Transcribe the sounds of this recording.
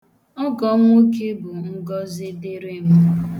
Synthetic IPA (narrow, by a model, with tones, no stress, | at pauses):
ɔ˦ɡɔ˨˦ŋʷo˦ke˦bʊ˨ŋ̩˦ɡɔ˦zɪ˦de˦ɾe˦m̩˦